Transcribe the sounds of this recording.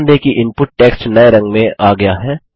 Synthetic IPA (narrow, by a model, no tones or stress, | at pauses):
nd̪ekiʔɪ̃mpʊʈːɛːkst͡ʃnɐeɾɐ̃ŋɡmẽʔaːɡɐjaɦɛː